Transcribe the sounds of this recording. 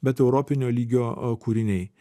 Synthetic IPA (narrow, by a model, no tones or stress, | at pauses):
bʲɛt̪ɛʊɾɔpʲɪnʲoːlʲiːɡʲoːkuːɾʲɪnʲɛɪ